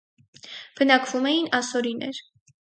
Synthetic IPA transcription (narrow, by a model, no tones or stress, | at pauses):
b̥ənɑkʰvumɛjinɑsɔɾinɛɾ